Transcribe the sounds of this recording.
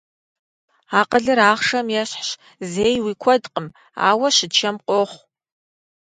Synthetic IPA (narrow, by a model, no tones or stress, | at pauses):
aːqəɮɨɾaːχʂɐmjɛɕħɕ | zeːjwiːkʷʰɔdqʼəm | a̰ːwɐɕɪt͡ʃʰɐmqʷʼoχʷ